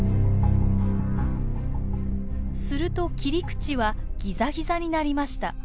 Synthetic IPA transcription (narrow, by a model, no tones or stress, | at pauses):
sɨɾɯ̟t̪o̞kʲiɾʲikɯ̟̥t͡ɕiβa | ɡ̥ʲizaɡʲizaɲ̟inaɾʲimaɕi̥t̪a